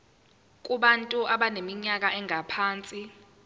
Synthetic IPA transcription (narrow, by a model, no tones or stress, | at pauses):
k̬ʼuɓantʼuʔaɓanemiɲak̬ʼaʔɛŋʱapʰaːnt͡sʼi